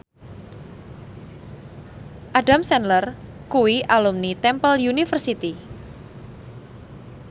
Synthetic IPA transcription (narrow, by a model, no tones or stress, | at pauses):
ʔaɖamsɛnlər | kuwiʔalumnit̪ɛmpəljunifərsit̪i